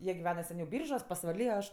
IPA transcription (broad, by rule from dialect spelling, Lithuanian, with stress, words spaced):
ˈjiɛ ɡʲɪˈʋʲæːnɐ sʲɛˈnʲɛʊ ˈbʲiːrʒuɔs pɐsʋɐˈlʲiː oː ˈɐʃ